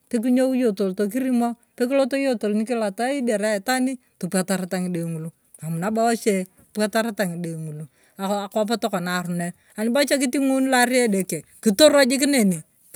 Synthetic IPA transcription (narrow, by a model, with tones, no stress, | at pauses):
pe˦k̬i˦ɲo˦u˦jo˨to˨lto˨k̬i˦ɾi˦mo˦ | pe˦k̬i˦lo˦to˦jo˦to˨lni˦kɪ˦la˨ta˦i˦de˨ɾa˦˨ta˦ni˦ | to˨pa˨ta˨ɾe˨˦ta˨ŋi˨de˨ŋu˨lu˦ | a˨mu˨na˦ba˦wa˦t͡ʃe˨ | pa˦ta˦ɾa˦ta˨ŋi˨de˨ŋu˨lu˨ | a˨a˨ka˦p̬a˦to˦kɔ˨na˨ɾu˨ne˦ | a˨nɪ˦ba˦t͡ʃe˦k̬i˦ti˦ŋu˦n˦la˦ɾi˦e˦de˨ke˨ki˦to˦ɾa˦d͡ʒɪ˦k̬ɪ˦ne˨ni˨